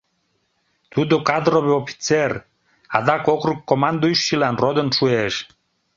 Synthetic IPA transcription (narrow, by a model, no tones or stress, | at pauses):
t̪ud̪okad̪ɾoβeofi̥t͡seɾ | a̰d̪akokɾukːomand̪uiʃːilanrod̪ənʃueʃ